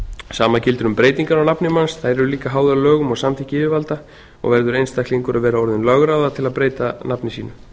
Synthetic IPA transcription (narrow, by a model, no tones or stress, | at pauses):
saːmacɪlt̪ʏɾʏmpɾeːjt̪iŋkaɾawnapnɪmansθajɾɛɾʏliːkaɦaːwðalœːɣʏmɔɣsamt̪ʰihcɪvɪvalt̪a | ɔ̰ɣvɛɾðʏɾejnst̪akliŋkʏɾaðvɛːɾaɔɾðɪnlœɣɾaːwðat̪ʰɪlaðpɾeːjt̪anapnɪsiːnʏ